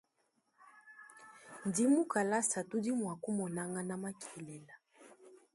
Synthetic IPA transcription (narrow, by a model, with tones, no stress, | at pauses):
n˨di˦mu˦ka˨la˦sa˨tu˦di˦mwa˨ku˦mɔ˨na˦ŋɡa˦na˦ma˦kʰi˨lɛ˨la˨